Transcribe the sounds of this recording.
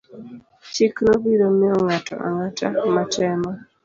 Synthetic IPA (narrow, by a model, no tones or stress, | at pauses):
t͡ʃiknɔbiɾomiɔŋatɔ̰ʔa̰ŋatamatɛma